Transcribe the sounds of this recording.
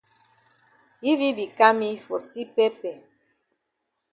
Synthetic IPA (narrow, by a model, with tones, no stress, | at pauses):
ji˦βi˦bi˨ka˦mi˦fo˨si˦pe˦pɛ˨